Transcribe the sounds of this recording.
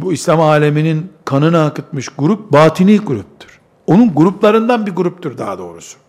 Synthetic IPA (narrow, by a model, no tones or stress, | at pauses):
buislʲamaːlʲe̞mininkʰanɯnaːkɯt̪mɯʃɡuɾup̚baːt̪ʰinʲiːɡuɾup̚t̪ʰɯ̥ɾ̥ | o̞nunɡuɾuplˠaɾɯnd̪anbiɡuɾup̚t̪ʰuɾd̪a̰ːd̪o̞̰ːɾusʊ̥